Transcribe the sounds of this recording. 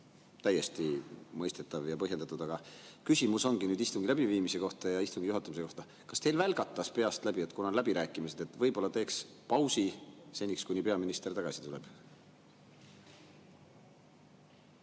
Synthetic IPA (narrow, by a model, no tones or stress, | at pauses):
t̪æje̞st̪imɤjst̪et̪ːˑɑvjɑpɤɦje̞nd̪ɑt̪ːˑud̪ɑɡ̥ɑkysimuso̞ŋɡ̥inyːd̪ist̪uŋɡ̥ilæb̥iviːmise̞ko̞ht̪ɑjɑist̪uŋɡijuɦɑt̪ːˑumise̞ko̞ht̪ɑ | kɑst̪e̞jlvælɡ̥ɑt̪ˑːɑspe̞ɑst̪læbie̞t̪kunɑlæbiɾæːkːˑimise̞d̪̥e̞t̪ːˑvɤjb̥o̞lːɑt̪e̞ːks | pɑwsise̞nʲːikskujnipe̞ɑminist̪ert̪ɑɡ̥ɑsi̥t̪ule̞̰b̥